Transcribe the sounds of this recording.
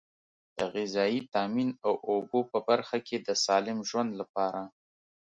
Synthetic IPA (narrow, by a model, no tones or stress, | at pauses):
d̪̥əɣɪzɑjit̪ɑminawʔobopəbaɾxakʰed̪əsɑlɪmʒwand̪lapɑɾa